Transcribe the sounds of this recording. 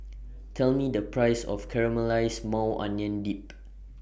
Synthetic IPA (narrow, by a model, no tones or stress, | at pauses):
tʰɛlmidəpɹajsɔ̰fkʰɛɹəməlajsmãwʔã̰njə̃ndip̚